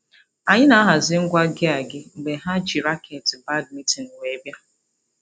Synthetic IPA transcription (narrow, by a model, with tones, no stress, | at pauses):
a˨ɲɪ˦na˦ɦa˨zɪ˦ŋ̩˦ɡʷa˦ɡɪ˦a˨ɡɪ˦ŋ͡m̩˨ɡ͡be˨ɦa˦t͡ʃi˨ɾa˦kʰe˨tɪ˨ba˦d̚mi˦tɪ˨n̩˨wʷe˨˦bja˦